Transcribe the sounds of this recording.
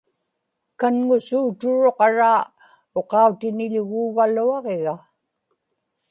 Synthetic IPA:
kanŋʊsuːt̪ʊɻoqɑɻaː | oqɑut̪ɪnɪʎʊɣuːvaluɑʁeɣa

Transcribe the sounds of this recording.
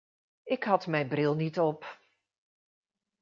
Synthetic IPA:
ɪkhɑtmɛjnbrɪlˠnitɔp

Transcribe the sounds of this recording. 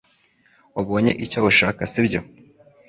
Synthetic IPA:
waβoːɲḛʔicoβuʃaːkasibɟo̰

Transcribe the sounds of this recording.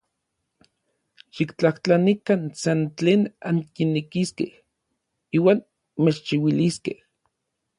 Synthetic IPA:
ʃikt͡ɬaht͡ɬanikansant͡ɬeːnaŋkinːikiskḛh | iːwaːn | met͡ʃt͡ʃiwiliskḛh

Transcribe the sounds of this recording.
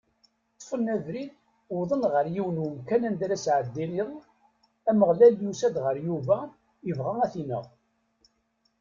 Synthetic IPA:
t̪ˤːfənːæðɾid̪ | wðˤənʁəɾjiwənwəmkænænd̪ɾæsʕəd̪ːiniʁ | æməʁlæljusæd̪ʁəɾjuvæ | jəvʁaæθinə̰ʁ

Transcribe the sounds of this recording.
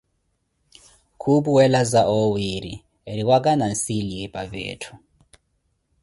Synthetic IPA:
kʰupuwɛlazaʔɔwiɾḭ | eɾiwakʼanansiliɛpʼavḛːtʰu̥

